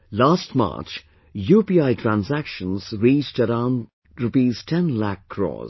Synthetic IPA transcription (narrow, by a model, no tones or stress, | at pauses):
laːstmɑ̰ːt͡ʃ | juːpiaɪtʰɹæ̃nsækʃə̃nzɹiːt͡ʃʈəɾãn | tɹəpiztʰɛ̃nlækʰːɹɔ̰ːz